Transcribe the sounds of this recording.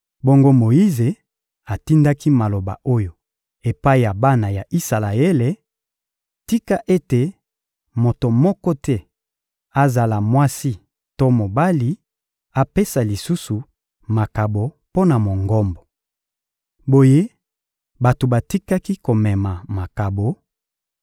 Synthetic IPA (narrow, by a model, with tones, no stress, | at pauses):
bo˦ŋɡo˦mo˨ji˦ze˨ | a˨ti˦nda˦ki˦ma˨lo˨ba̰˨ʔo˦jo˨ | e˨pa˦i˨ja˨ba˦na˨ja˨ʔi˦sa˨la˨e˦le˨ | ti˦ka˦ʔe˦te˨ | mo˨to˨mɔ˦kɔ˦tɛ˦ | a˨za˨la˨mwa˦si˦ | to˦mo˨ba˦li˦ | a˨pe˦sa˨li˨su˦su˨ | ma˨ka˨bo˨ | po˦na˨mo˨ŋɡɔ˦mbɔ˨ | bo˨je˦ | ba˨to˨ba˨ti˦ka˦ki˦ko˨mɛ˨ma˨ma˨ka˨bo˨